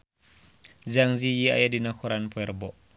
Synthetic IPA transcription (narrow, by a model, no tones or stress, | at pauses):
zaŋzijia̰jadinakɔɾanpɔɛrbɔʔ